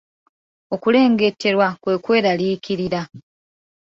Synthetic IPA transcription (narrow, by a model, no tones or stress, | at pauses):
o̞kule̞ːŋɡe̞tʰːe̞ɾwakwe̞ːkwe̞ːɾaliːkiɾiɾa